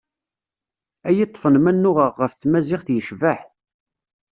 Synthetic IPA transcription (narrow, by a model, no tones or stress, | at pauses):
æjit̪ˤːfənmænːʊʁəʁːəfθmæzɪχθjəʃvəħ